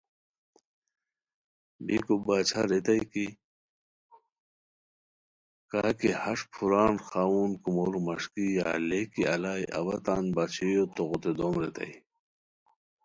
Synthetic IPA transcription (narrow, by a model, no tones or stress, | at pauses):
bḭkubaːt͡ɕʰaɾet̪ɐjki | kaːkihɐʂpʰuɾaːnxaːwuːnkumoːlumɐʂkijaːlekiɐlaːjʔɐ̰wɐt̪aːnbat͡ɕʰijot̪oɣot̪ed̪oːmɾet̪ɐ̰j